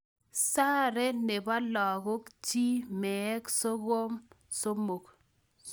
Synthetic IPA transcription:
sa˦ɾe˦ne˨ba˦lɔ˨ɣo˦kt͡ʃi˦mɛ˨ɛ˦kso˦ɣo˦m | so˦mo˨k

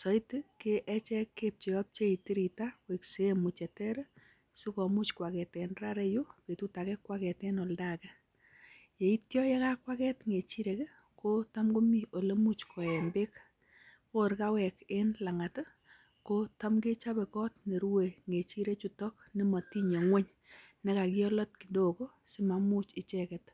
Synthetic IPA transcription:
sɔ˨iti˦ke˦ʔɛ˦t͡ʃɛ˦kːe˦p̚t͡ʃe˨ɔ˦p̚t͡ʃe˦i˨ti˦ɾi˨ta˦we˨kse˨˦mu˨t͡ʃɛ˨tɛ˦ɾ | su˦kɔ˨mu˦t͡ʃkwa˨kɛ˨tɛ˨nra˦ɾe˦ju˦pe˨tu˦ta˨kɛ˦kːwa˦kɛ˨tɛ˦no˨lda˦kɛ˦ | je˨i˦tjɔ˦jɛ˦ka˦kwa˦kɛ˦tŋe˨t͡ʃi˦ɾe˨k | ko˦ta˦mɡo˦mi˦o˨le˦mu˦t͡ʃkʰɔ˨ɛ˨mbe˦k | ko˦˨ɾka˦wɛ˨ke˦nla˨ŋa˨t | ko˦ta˦mɡe˦t͡ʃa˦bɛ˨kɔ˦tne˨ɾu˦we˨ŋe˨t͡ʃi˦ɾe˦t͡ʃu˦tɔ˦kni˦ma˨ti˦ɲo˨ŋwe˦ɲ | nɛ˦ka˨kɪ˦ɔ˦lɔ˦t̚ki˨do˦ko˦si˦ma˨mu˦t͡ʃɪ˨t͡ʃɛkɛ˨t

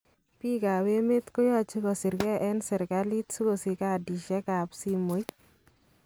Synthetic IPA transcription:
pi˦ka˨we˦me˦t̪ko˦jɔ˦t͡ʃi˦kɔ˨sɪ˨ɾɡɛ˦ʔɛ˦nsɛ˨ɾka˦li˦tsu˦ko˨si˨ka˨di˨ʃɛ˦ka˨psi˦mo˨jt̚

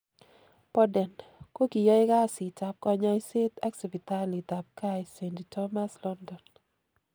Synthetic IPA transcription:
pɔ˦dɛ˨nko˦ki˨jɔ˦ɪ˦ka˦˨sɪ˨t͡ʃa˨p̚kɔ˦ɲɔ˦i˦se˦t̪a˦ksi˨bi˨ta˦li˨ta˨p̚ka˦i˨se˨ndtɔ˦ma˦slɔ˦ndɔ˨n

